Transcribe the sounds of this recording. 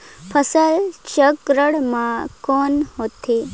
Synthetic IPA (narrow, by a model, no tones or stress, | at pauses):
pʰəsəlt͡ʃəkɾəɽmãkonɦot̪ʰe